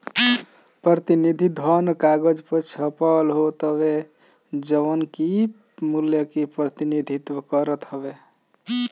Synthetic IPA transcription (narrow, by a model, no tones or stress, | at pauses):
pɾət̪inid̪ʱid̪ʱənkaɡəd͡ʒpət͡ʃʰəpalɦot̪əbe | d͡ʒəʋənki | muljəkipɾət̪inid̪ʱit̪wəkəɾət̪ɦəbe